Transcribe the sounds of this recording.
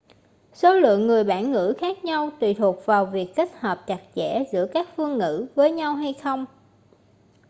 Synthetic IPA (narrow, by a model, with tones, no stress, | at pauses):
so˨˦lɨ̰˧˨əŋːɨ˨˩əjɓaː˧˩nŋɨ̰˧˥xaː˦˥k̚ɲa˧wt̪wḭ˨˩t̪ʰu˨˩ək̚vaː˨˩wvi˨˩əkke˦˥t̚həː˨˩p̚t͡ɕa˨˩k̚t͡ɕɛ̰˧˥zɨ̰˧˥əkaː˦˥k̚fɨ˧əŋːɨ̰˧˥vəː˨˦jɲa˧wɦa˧jxə˧wŋ͡m